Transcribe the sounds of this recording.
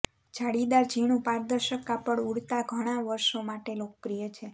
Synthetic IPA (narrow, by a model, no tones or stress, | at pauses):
d͡ʒʱaɽid̪aɾd͡ʒʱiɳ̃ũpãɾd̪əɾʃəkapəɳuɽt̪aɡʱəɽ̃aʋəɾʃomaʈelokəpɾijət͡ʃʰe